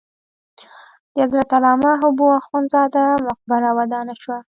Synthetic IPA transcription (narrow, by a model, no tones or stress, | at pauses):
d̪̥əazɾat̪alɑmaɦʊbuaxunzɑd̪amʊq̚baɾawad̪ɑnaʃwa